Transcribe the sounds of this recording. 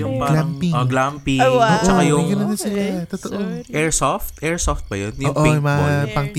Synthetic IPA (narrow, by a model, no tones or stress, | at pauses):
jʊŋpalaɐmpiŋoɡlampɪŋoːʔt͡ʃoɐkajʊŋɡɐnonːɐnsɪlat̪ot̪oʔʔoʔɛɹsoft̪ʔɛɹsoft̪̚bɐjonjʊŋʔomɐpɐŋt̪